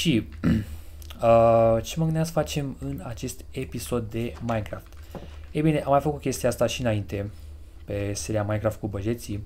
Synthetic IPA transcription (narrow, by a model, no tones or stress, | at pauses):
ʃi | ət͡ʃemənɡɨnasə̥fat͡ʃe̞mɨnat͡ʃe̞st̪e̞piso̞d̪ːe̞majnkɾaft̪ | ejbine̞ʔamːajfəkut̪kʲe̞st̪iaast̪aʃiɨnaint̪e̞ | pe̞se̞ɾiamajnkɾaft̪kubəʒe̞t̪si